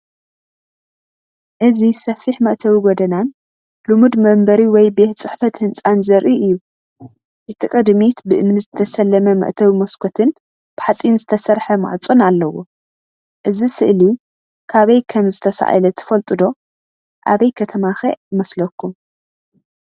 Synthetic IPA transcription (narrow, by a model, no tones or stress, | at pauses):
ʔɨzisɐfiħmɐʔt̪ʰɐwiɡod̪ɐnan | lumud̪mɐmbɐɾiwɔjbeh̪t͡sʼɨħfɐt̪hɨnt͡sʼanzɐɾʔiʔɨjːu | ʔɨt̪ʰikʼɨd̪mit̪bɨʔɨmnizɨt̪ʰɐsɐlːɐmɐmɐ̰ʔt̪ʰɐwimɐskʰot̪ʰɨn | b̥ɨħat͡sʼinzɨt̪ʰɐsɐɾħɐma̰ʕt͡sʼunalːɐwo̰ | ʔɨzisɨʔli | kʰaβɐjkʰɐmzɨt̪ʰɐsa̰ʔa̰lɐt̪ʰɐ̥fɐlt̪ʼɨd̪o̞ | ʔaβɐjkʰɐt̪ʰɐmaxḛɨmɐslɐkʰːum